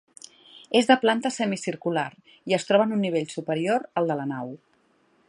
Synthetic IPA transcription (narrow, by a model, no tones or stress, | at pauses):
ezðəplant̪əsɛmisiɾkulaɾ | iəst̪ɾɔβənunːiβ̞eʎsupəɾioɾəlˠd̪ələnaw